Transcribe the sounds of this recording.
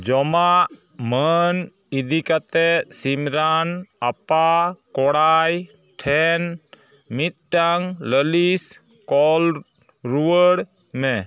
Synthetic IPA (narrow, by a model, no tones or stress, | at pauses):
d͡ʒɔmaʔ | mən | id̪ikat̪ɛsimɾanapakɔɽaj | ʈʰɛn | mit̪̚ʈaŋləlis | kɔl | ɾuwəɽ | mɛ